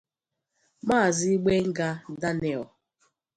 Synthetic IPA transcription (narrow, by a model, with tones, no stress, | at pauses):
maː˦˨zɪ˦ɡ͡be˦ŋ̩˦ɡa˦da˦ne˨ɔ˨